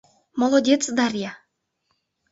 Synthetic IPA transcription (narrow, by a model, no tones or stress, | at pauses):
molˠodʲet̪t͡sd̪ɑrʲjɑ